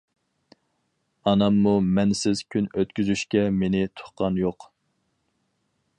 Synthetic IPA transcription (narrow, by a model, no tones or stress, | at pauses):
ɑnɑmːumɛnsɪz̥kʲʰynøt̪kʲyzyʃkʲɛmenɪt̪ʰʊ̥χqɑnjoq